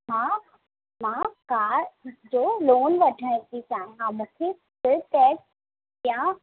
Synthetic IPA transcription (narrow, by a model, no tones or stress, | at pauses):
mã | mãkaːɾd͡ʑoːloːnʋɐʈʰə̃d̪it͡ɕaːẽɦãmũːkʰe | sɪɾʈɛːk | jã